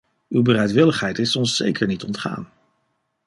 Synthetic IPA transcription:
ywbərɛjtʋɪləχɦɛjtɪsɔnsːḛjkʰəɹnitɔntχa̰ːn

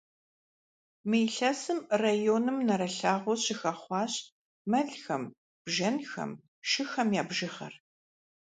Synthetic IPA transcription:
mijɬɐsɨmrajoːnɨmnɐɾɐɬaːʁʷɔɕɪxɐχʷɑːɕ | mɐɮxɐm | b̥ʒɐnxɐ̰m | ʃɪxɐmjaːbʒɪχɐ̰r

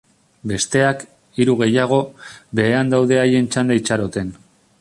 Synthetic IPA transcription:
be̞st̪e̞ak | iɾuɣ̞e̞jaɣ̞o̞be̞ːand̪awðe̞aje̞nt͡ʃand̪ait͡ʃaɾo̞t̪e̞n

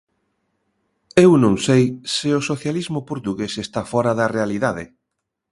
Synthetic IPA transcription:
ewnõŋsejsɪosoθjalizmʊpoɾt̪uɣesest̪afɔɾaðɐrealiðaðɪ

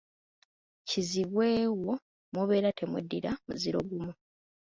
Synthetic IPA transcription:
ciziβwe̞ːwo̞ | moβe̞ːɾatʰe̞mwedːiɾamuziɾo̞ɡumu

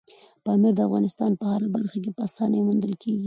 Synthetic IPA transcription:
pɑmiɾd̪əafɣɑ̰nɪst̪ɑnpəhaɾabaɾxak̬epəasɑnəjmund̪əlkeɡi

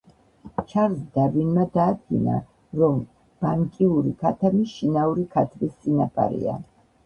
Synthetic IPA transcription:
t͡ʃʰaɾzd̪aɾvinmad̪aːd̪̚ɡḭna̰ | ɾɔm | b̥aŋkʼiuɾikʰat̪ʰamiʃinauɾikʰat̪ʰbist̪sʼinapʼa̰ɾḭa̰

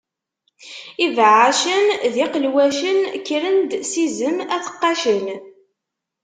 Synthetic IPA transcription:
ivʕaʃənðiqəlwæʃənkːɾənd̪sizəmæθə̥qːɑʃən

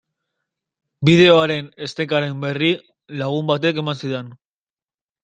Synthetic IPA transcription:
bið̞e̞o̞aɾe̞ne̞st̪e̞kaɾe̞mbe̞ri | laɣ̞umbat̪e̞ke̞mansiðe̞n

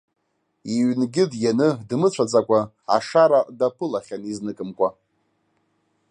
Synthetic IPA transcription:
iɥnɡʲɪdjanɨdmɨt͡ɕʷʰad͡zʼakʷʼa | a̰ʂaɾadapʰɨlaχʲaniznɨkʼɨmkʷʼa

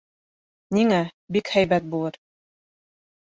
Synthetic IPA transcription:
niŋæbikhæjbæt̪̚bulˠɤɾ

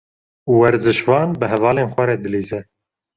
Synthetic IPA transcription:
uwɛɾzɨʃvɑːnbɨɦɛvɑːleːnxʷɛɾɛd̪ɨliːzɛ

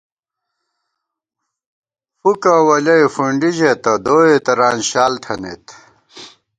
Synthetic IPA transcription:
fukawɐlɐifuɳɖiʑet̪ɐd̪oːet̪ɐɾaːnɕaːlt̪ʰɐnḛt̪

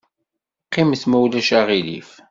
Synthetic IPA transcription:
qːɪmθmæwlæʃaʁilḭf

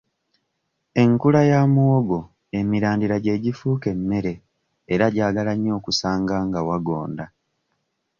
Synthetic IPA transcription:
e̞ŋkulajaːmuoɡo̞ | e̞miɾaːndiɾaɟe̞ːɟifuːke̞mːe̞ɾe̞ː | ɾaɟaːɡalaɲːo̞ːkusaːŋɡaːŋɡawaɡo̞̰ːnda

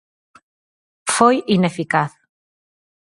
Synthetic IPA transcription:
fojinefikaθ

